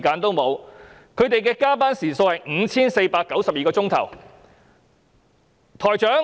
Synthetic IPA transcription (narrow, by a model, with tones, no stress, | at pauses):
kaː˧nt̪o˥wmo˨˧w | kʰɵ˨˧ɥt̪e˨jkɛː˧kaː˥paː˥nsiː˨˩so˧whɐ˨jŋ̩˨˧t͡sʰiː˥nse˧jpaː˧kːɐ˨˥wsɐ˨p̚jiː˨kɔː˧t͡sʊ˥ŋt̪ʰɐ̰˨˩w | t̪ʰɔː˨˩jt͡ʃœː˨˥ŋ